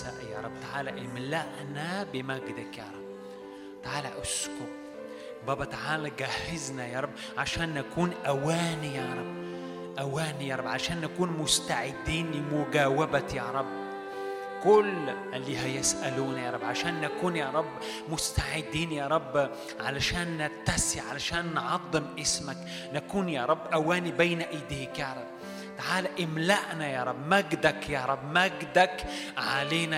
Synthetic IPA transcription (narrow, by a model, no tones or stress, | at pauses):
a̰ʔja̰ɾˤɑbːt̪aʕaːlaʔɪlmɪlːaʔnabɪmaɡɪd̪akjɑ̰ːɾˤɑb̚ | t̪aʕaːlaʔʊsku | bɑːbɑt̪aʕaːlaɡahɪznajɑːɾˤɑbː | ʕaʃaːnːakuːnʔawaːnijaɾˤɑbː | ʔawaːnijaːɾˤɑbʕaʃaːnːakuːnmʊst̪aʕɪd̪ːiːnmʊɡaːwabajaɾˤɑbː | kʊlʔɪlːiːɦajɪsʔaluːnjɑːɾˤɑbːʕaʃaːnːakuːnjaːɾˤɑbː | mʊst̪aʕɪd̪ːiːnjɑːɾˤɑbː | ʕalaʃaːnːat̪ːasiʕalaʃaːnːʕɑd̪ˤːɨmʔɪsmak | nakuːnjaːɾˤɑbːʔawaːnibejnaʔajd̪iːkjɑːɾˤɑb̚ː | t̪aʕaːlaʔɪmlaʔnajɑːɾˤɑbːmaɡd̪akjɑːɾˤɑbːmaɡd̪akʕa̰leːna